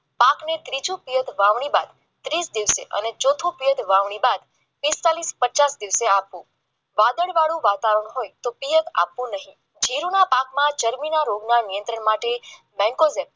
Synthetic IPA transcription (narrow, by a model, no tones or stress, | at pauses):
paknet̪ɾid͡ʒũpijət̪ʰʋaʋɳ̃ibad̪ | t̪ɾisd̪iʋsḛʔə̰net͡ʃot̪ʰũpijət̪ʋaʋɳ̃ibad̪ | pist̪alispət͡ʃasd̪iʋseapʋũ | ʋad̪əɭʋaɽũʋat̪aʋəɾəɳ̃ɦojt̪opijət̪a̰pʋũnəɦĩ | d͡ʒʱiɾunapakmãd͡ʒəɾminaɾoɡnanijə̃nt̪ɾəɳmaʈe | mɛ̃ŋkozem